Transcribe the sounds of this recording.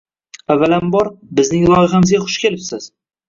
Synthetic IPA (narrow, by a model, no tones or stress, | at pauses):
avːalambɒɾbɪznɪŋlˠɒjɪχamɪzɡʲaχʊʃkʲʰe̞lɪpsɪz̥